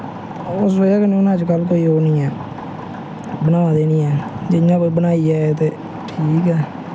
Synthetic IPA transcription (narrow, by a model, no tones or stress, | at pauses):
ʊsoːaːkəneʊnãːt͡ʃkəlk̬oːiːɦoːnĩːɛː | bənãːd̪eːnĩːɛːd͡ʒɪnãːkobənaːiːɛːt̪eː | ʈʰiːkɛː